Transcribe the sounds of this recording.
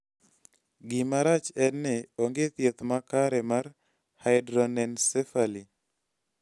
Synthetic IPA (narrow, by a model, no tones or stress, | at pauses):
ɡɪmaɾat͡ʃɛnːɪoŋɡet̪jet̪makaɾɛmar | hajdɾɔnɛnsefali